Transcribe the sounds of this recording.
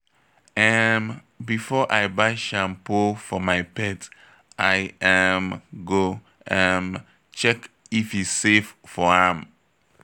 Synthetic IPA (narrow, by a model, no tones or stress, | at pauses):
ɛm | bifɔʔaɪbaɪʃãmpofɔmaɪpɛt | ʔaɪɛmɡo | ɛ̃m | t͡ʃɛk | ifisseffɔãm